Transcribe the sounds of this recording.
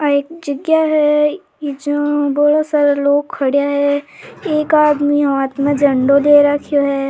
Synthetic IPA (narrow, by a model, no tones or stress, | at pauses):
aeːk̚d͡ʒəɡjaɦɛ | ɪd͡ʒoboɽasaːɾaloːɡ̚kʰːɐɽjaɦɛeːkaːd̪miɦaːt̪mẽd͡ʒɐ̃ɳɖoleːɾakʰjoɦɛː